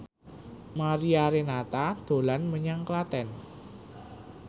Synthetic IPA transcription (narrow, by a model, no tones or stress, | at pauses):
maɾiaɾenat̪ad̪̥o̤lanməɲaŋklat̪ɛn